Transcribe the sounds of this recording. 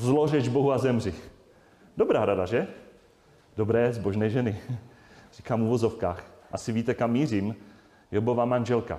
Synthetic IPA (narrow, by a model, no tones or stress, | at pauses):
zlorɛʒboɦuazɛmrɪ | dobɾaːɾadaʒɛ | d̥obɾɛːzbo̞ʒnɛːʒɛnɪ | r̥iːkaːmuvo̞zofkaːxʔasɪviːt̪ɛkamːiːrim | jobovamanʒɛlka̰